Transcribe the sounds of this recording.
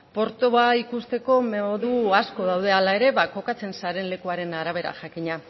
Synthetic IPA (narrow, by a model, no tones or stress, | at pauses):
po̞ɾt̪oβaikust̪e̞ko̞meoðuasko̞ðawðe̞alae̞ɾe̞βako̞kat͡se̞nsaɾe̞nle̞kuaɾe̞naɾaβ̞e̞ɾa̰ʝakiɲa